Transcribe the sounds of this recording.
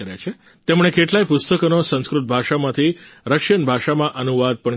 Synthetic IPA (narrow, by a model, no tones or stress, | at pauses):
əɾja̰t͡ʃʰe | t̪emɽ̃ekeʈlajpʊst̪əkonosə̃skɾut̪̚bʱaʃamãt̪ʰiɾəkʃənbʱaʃamãʔənuʋad̪̚pəɳ